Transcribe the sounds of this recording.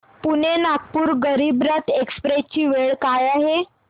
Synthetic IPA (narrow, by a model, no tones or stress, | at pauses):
punenak̚puːɾɡəɾiːbɾət̪ekspɾet͡ɕiːʋeɭkajaɦe